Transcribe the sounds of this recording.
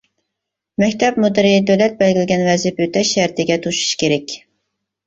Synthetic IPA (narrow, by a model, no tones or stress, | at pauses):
mɛkʲt̪ʰɛp̚mud̪ɨɾɪd̪øwlɛt̪̚bɛlɡʲilɪɡʲɛnvɛzɪpøt̪ʰɛʃːæɾt̪ʰɪɡʲɛt̪ʰuʃu̥ʃkʲʰeɾɛkʲ